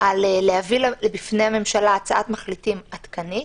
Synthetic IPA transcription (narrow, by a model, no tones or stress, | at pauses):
alelehavillebifne̞jhame̞mʃalaːt͡saʔat̪maχlitimat̪kani